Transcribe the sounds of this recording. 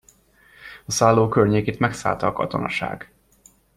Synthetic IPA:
ɒsaːlːoːkørɲeːkeːt̪mɛksa̰ːlt̪ɒːkɒ̰t̪o̞̰nɒ̰ʃa̰ːɡ

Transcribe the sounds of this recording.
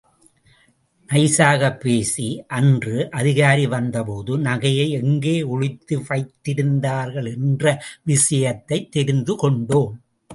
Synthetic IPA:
ʔɐɪsaːɣɐpːeːsiʔɐndrɯʔɐðɪɣaːɾiʋɐnd̪ɐpoːðɯnɐɣɐjɐɪɛŋɡeːʊɻɪt̪ːɯfɐɪt̪ːɪɾɯnd̪aːɾɣɐɭɛndrɐʋɪsɐjɐt̪ːɐɪt̪ːɛɾɪnd̪ɯkɔɳɖoːm

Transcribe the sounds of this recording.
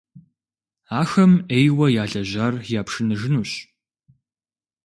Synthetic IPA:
aːxɐmejwɐjaːɮɐʑaːrjaːpʰʂɨnɨʐɨnuːɕ

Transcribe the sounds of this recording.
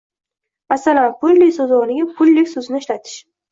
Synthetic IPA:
masalanpʰʊlːɪsozɒnɪɡʲapʰʊlːɪkʲsʊznɪʃlat̪ʰɪ̥ʃ

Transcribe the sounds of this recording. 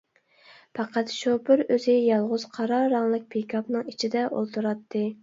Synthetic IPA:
pʰɑqʰæt̪ʃopɨɾøzɪjɑlˠʁʊz̥qʰɑɾɑɾɑŋlˠɨk̚ʲpʰekʲʰɑpnɨŋit͡ʃʰid̪ɛʔo̰lˠt̪ʰuɾɑt̪ʰːɨ

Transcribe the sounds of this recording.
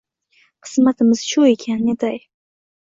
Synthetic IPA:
qʰɨ̥smat̪ʰɪmɪz̥ʃʊekʲʰaned̪aj

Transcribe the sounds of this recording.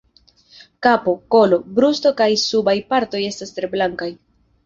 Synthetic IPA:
kapo̞ko̞lo̞bɾusto̞kajsubajpaɾto̞je̞stastɾe̞blaŋkaj

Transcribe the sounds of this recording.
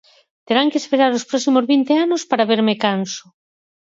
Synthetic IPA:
t̪eɾaŋkeːspeɾaɾospɾɔsimozβint̪eanospaɾaβeɾmekansʊ̥

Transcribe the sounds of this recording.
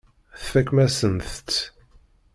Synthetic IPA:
θfækːmæsənθt̪

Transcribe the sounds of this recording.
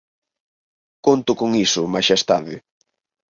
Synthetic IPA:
kont̪ʊkoŋisʊmaʃest̪aðɪ

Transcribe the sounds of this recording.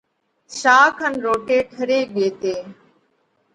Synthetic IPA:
ʃaːkʰənɾoːʈeːʈʰəɾeːɓeːt̪eː

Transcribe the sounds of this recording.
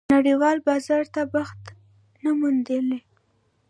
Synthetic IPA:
naɽiwɑlbɑzɑɾt̪abaxt̪ | namund̪əli

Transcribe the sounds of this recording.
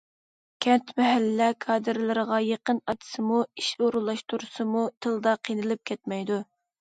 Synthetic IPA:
kʲʰɛnt̪mɛɦælːɛkʰɑːd̪ɨɾlɨɾəʁɑjeqənɑt̪ʰɨ̥sɨmuiʃoɾulˠːɑʃt̪uɾusɨmut̪ʰɨlˠd̪ɑqʰinɨlˠɨp̚kʲʰɛt̪̚mɛjd̪u

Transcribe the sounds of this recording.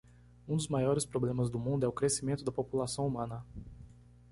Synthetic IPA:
ũd̪ʊzmajɔɾɪspɾoblẽmɐzd̪ʊmũnd̪ʊɛʊkɾesimẽnt̪ʊd̪ɐpopulasɐ̃w̃umɐ̃nɐ

